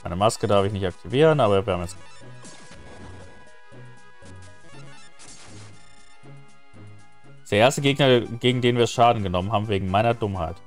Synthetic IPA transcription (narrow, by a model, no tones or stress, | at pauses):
maɪnəmaskədaɐfɪçnɪçtak̚tʰiviːʁənʔaːbɐviːɐhamjɛt͡s | d̥eːɐʔeɐstəɡeːɡnɐɡeːɡŋ̩deːnviːɐʃaːdn̩ɡənɔmənɦaːbmveːɡŋ̩maɪnɐdʊmhaɪt